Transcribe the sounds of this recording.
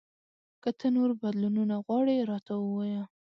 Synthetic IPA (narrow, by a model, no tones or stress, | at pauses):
kət̪ʰənoɾbad̪lununaɣwɑɽeɾɑt̪aəwɑja